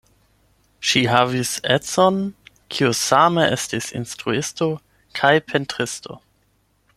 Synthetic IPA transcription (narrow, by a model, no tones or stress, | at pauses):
ʃiɦaviset͡son | kʰiusameʔestisḭnstʁuɪsto | kʰajpʰentʁɪstʰo̰